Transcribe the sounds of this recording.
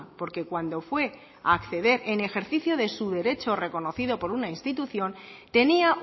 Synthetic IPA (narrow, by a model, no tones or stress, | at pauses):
po̞ɾke̞kwand̪o̞fwe̞ | a̰ːkθe̞ðe̞ɾʔene̞xe̞ɾθiθjo̞ðe̞suðe̞ɾe̞t͡ʃo̞re̞ko̞no̞θiðo̞po̞ɾunainst̪it̪uθjo̞nt̪e̞nia